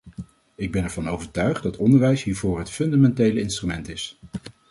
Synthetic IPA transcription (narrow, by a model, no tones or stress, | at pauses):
ɪɡ̚bɛnɛɹv̥ɑnowvəɹtœɥχddɑtʰɔndəɹʋɛjsɦiːɹvʊːɹɦətfɵndamɛntejləɪnstrymɛntɪs